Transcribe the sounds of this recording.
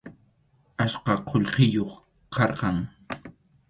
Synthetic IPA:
aʃqɑqʰoʎqɪjoχ | qʰɑɾqɑŋ

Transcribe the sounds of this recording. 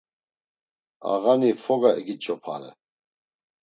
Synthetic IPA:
a̰ɣanifɔɡaɛɡit͡ʃʼɔpʰa̰ɾɛ̰

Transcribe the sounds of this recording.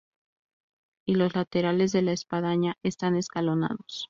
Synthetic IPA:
ilo̞zlat̪e̞ɾale̞zðe̞laespað̞aɲae̞st̪ane̞skalo̞na̰ðo̞s

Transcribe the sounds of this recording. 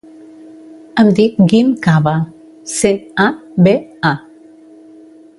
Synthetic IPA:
əmd̪ik̚ɡimkaβa | seabea

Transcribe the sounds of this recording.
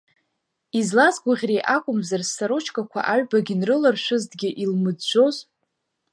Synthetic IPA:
izlazɡʷʊʁʲrejʔakʷʼʊmzarsːaɾot͡ʃʰkʼakʷʰa̰ʔaɥᶣbaɡʲɪnrɨlɨrʃʷʊzdɡʲɪʔilmɨdʒʷo̞zʼ

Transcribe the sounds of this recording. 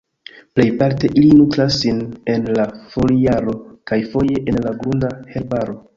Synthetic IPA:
ple̞jpaɾte̞ʔilinutɾasːine̞nlafo̞lijaɾo̞kajfo̞je̞ʔenlaɡɾundahe̞ɾbaɾo̞

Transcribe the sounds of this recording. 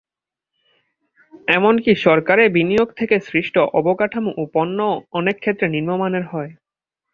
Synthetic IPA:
ɛmonkiʃɔɾkaɾebinijoɡ̚t̪ʰekesɾiʃʈoʔɔbokaʈʰamuʔuponːoɔnekʰːet̪ːɾeniɾmomaneɾɦɔe

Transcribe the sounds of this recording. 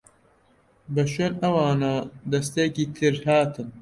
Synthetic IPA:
bɐʃonɐwɑːnaːd̪ɐst̪eːkiːt̪ʰɨɾhaːt̪ʰɨn

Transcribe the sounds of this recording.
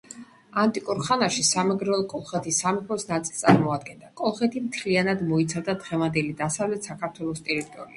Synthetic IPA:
ant̪ʼikʼuɾχanaʃisamɛɡɾɛɔlˠkʼɔlˠχɛt̪ʰisamipʰɔsnat̪sʼi̥lˠt̪sʼa̰ɾmɔad̪̚ɡɛnd̪akʼɔlˠχɛt̪ʰimt̪ʰlianad̪mɔit̪sʰavd̪ad̪ʁɛvand̪ɛlid̪asavlɛt̪ʰsakʰaɾt̪ʰwɛlˠɔst̪ʼɛɾit̪ʼɔɾḭa

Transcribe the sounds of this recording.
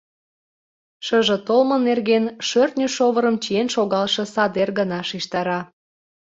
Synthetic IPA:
ʃəʒĕt̪olmə̆nerɣenʃørt̪nʲyʃoβəɾəmt͡ɕienʃoɣɑlʃɤ̆sɑd̪erɣənɑʃiʃt̪ɑɾɑ

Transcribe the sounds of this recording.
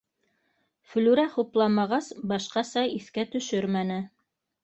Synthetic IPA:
fɵ̆lʉɾæχuplˠɑmɑʁɑsbɑʃqɑsɑiθkæt̪ɵ̆ʃɵɾmænɘ

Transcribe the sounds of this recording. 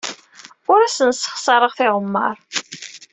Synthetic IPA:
ʊɾæsənsə̥χsˤɑɾˤəʁθɪʁəmːə̰ɾˤ

